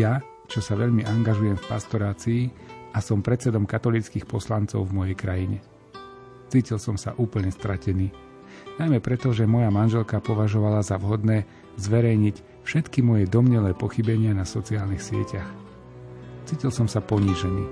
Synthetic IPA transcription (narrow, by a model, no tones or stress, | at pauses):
ja | t͡ʃɔsaʋɛʎmiʔaŋɡaʒujɛmfpast̪ɔɾaːt͡siːʔasɔmpɾɛt͡sɛd̪ɔmkat̪ɔlit͡skiːxpɔslant͡sɔ̰ʊvmɔjɛjkɾajiɲɛ | t͡siːcilsɔmsa̰ʔuːpl̩ɲɛst̪ɾacɛniː | najmɛpɾɛt̪ɔʒɛmɔjamanʒɛlkapɔʋaʒɔʋalazaʋɦɔd̪nɛː | zʋɛɾɛjɲic | fʃɛt̪kimɔjɛd̪ɔmɲɛlɛːpɔxibɛɲɪanasɔt͡siaːlnixsɪɛ̰cax | t͡siːcilsɔmsapɔɲiːʒɛniː